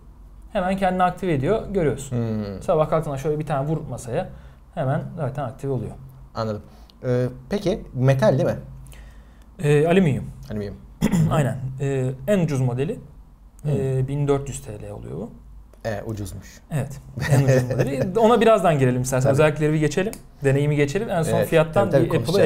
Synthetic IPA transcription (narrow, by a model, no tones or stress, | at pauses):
he̞mæncʰɛnd̪inɛak̚t̪ʰive̞d̪ijo̞ɟø̞ɾyjo̞ɾsunsabahkʰalk̪ʰɯnaʃø̞jlʲɛbit̪ʰaːnɛvuɾmasaja | he̞mænzaːt̪ʰænak̚t̪ʰivo̞lˠṵjoanˠad̪ɯm | ɛːpecɪmet̪ʰalʲd̪imɪ | ɛːalʲimyjimalʲimjimajnænɛːænud͡ʒuzmo̞d̪elʲɪ | ɛbind̪øɾt̪jyz̥t̪ʰeːlʲejɛo̰lˠṵjobu | ɛṵd͡ʒuzmuʃ | evɛt̪ænud͡ʒuzmd̪e̞lʲio̞nabiɾazd̪anɟiɾe̞lʲimisæsɛnøzælʲːic̬lʲeɾimiɟe̞t͡ʃʰe̞lʲim | d̪e̞ne̞jimiɟe̞t͡ʃʰe̞lʲimænso̞nfijat̪ːaniepɯlˠ